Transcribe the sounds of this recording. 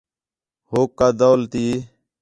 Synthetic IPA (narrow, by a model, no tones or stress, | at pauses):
hoːkːaːd̪oːlt̪iː